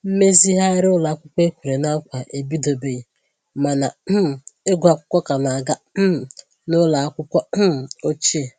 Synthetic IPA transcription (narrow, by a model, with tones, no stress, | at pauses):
m̩˦me˦zi˦ɦa˦ɾɪ˦ʊ˦la˨a˦kʷʊ˦kʷɔ˦e˦kʷe˨ɾe˨na˦kʷa˨ʔe˨bi˦do˨be˨ | ma˨na˨˦˨e˦ɡʷa˨kʷʊ˦kʷɔ˦ka˨na˨a˨ɡa˦˨ | nʊ˦la˨a˦kʷʊ˦kʷɔ˦˨o˦t͡ʃi˦e˨